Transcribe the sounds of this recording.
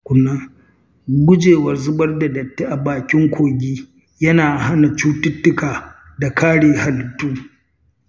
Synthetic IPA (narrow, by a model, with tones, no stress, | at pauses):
kʷʊ˨nːaː˦ | ɡʷʊ˦d͡ʒeː˨wɐ˨rzʊ˦bɐ˦rda˨dɐ˨tːe˦ʔa˨baː˨kʲɪ˦ŋkʷʰoː˨ɡʲiː˦ | jɐ˦naː˨ha˦na˨t͡ʃuː˦tʊ˦tːʊ˦kaː˨ | da˨kʰaː˦ɽeː˨ha˨ltʊ˦